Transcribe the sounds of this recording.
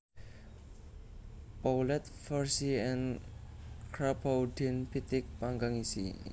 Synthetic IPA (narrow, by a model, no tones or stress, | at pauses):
pawlɛt̪̚fɔɹsiɛ̃n | kɾapawdinpit̪ɪk̚paŋɡaŋisḭ